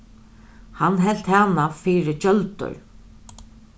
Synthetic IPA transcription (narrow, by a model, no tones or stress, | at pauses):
hanːɦɛlt̪haːnafiːɾɪt͡ʃœlt̪ʏ̰ɹ